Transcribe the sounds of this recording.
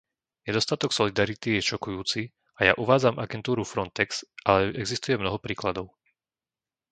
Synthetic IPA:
ɲɛd̪ɔst̪at̪ɔksɔlid̪aɾit̪ijɛʃɔkujuːt͡si | aja̰ʔuʋaːd͡zamʔaɡɛnt̪uːɾufɾɔnt̪ɛksʔalɛɛɡzist̪ujɛmnɔɦɔpɾiːklad̪ɔʊ

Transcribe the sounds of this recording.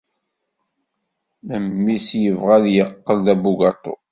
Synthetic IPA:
məmːisjəvʁæðjəqːəlðæbuɡɑt̪ˤo̰

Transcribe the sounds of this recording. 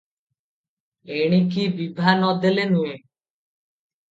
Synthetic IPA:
eɽ̃ikibibʱanɔd̪elenue

